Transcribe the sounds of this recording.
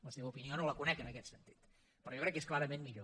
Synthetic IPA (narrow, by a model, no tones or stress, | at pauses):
ləseβəupinionoləkunɛkənəkɛt̪sənt̪i̥t̪ | pəɾɔjokɾɛkːesklaɾəmenmiʎo